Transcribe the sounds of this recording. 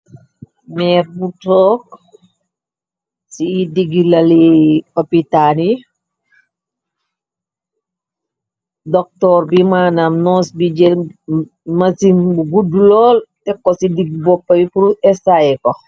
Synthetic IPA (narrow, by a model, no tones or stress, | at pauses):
mɛːɾbutɔːk | siːdiɡilɐlikopitani | dɔk̚tɔːrbimaːnamnɔːsbid͡ʒɛ | mɐsiŋbuɡudulɔːltɛkːɔsidiɡbɔpːɐbipuɾuɛsaɛkɔ